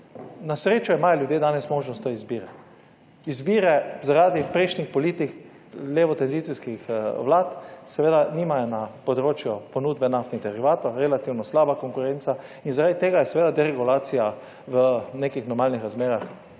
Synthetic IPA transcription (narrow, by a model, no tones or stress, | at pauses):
nasɾeːt͡ʃɔimajɔljuʊd̪jeːd̪aːnɛsmoːʒnɔst̪ɔizbiːɾɛ | izbiːɾɛzaɾaːd̪ipɾɛjʃnixpɔliːt̪ik | lʲeːʋɔt̪ɛnzit̪siskixʋlaːt̪sɛʋeːd̪aniːmajɔnapɔd̪ɾoːt͡ʃjɔpɔnuːd̪bɛnaft̪niɣd̪ɛɾiʋaːt̪ɔɾɛlat̪iwnɔslaːbakoŋkʊɾɛnt̪sa | inzaɾad̪it̪eːɡajɛsɛʋeːd̪ad̪ɛɾɛɡulaːt̪sija | ʋənekixnɔɾmaːlnixɾazmeːɾax